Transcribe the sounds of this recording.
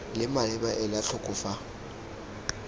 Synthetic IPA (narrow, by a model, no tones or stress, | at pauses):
lɪmalɪbaʔɪlaɬʰʊkʼʊfa